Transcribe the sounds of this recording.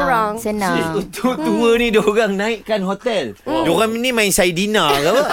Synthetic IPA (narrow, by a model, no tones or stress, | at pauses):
ɔŋisut̪ʰʊt̪uənĩdoɣaŋnãiʔkanɦot̪ɛldoɣaŋminĩmãiŋsajidinaka